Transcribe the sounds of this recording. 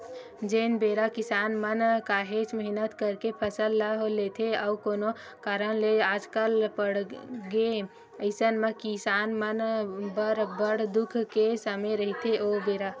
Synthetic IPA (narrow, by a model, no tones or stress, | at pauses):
d͡ʒeːnbeːɾakɪsaːnmənkaːɦet͡ʃməɦɪnət̪kəɾkepʰəsəlːəɦoleːt̪ʰeɔːkoːno | kaːɾənleaːd͡ʒkəlpəɽɡe | əɪsənmə̃kɪsaːnmənbəɾbəɽd̪ʊkʰkesəmeɾəɦit̪ʰeʔoːbeːɾa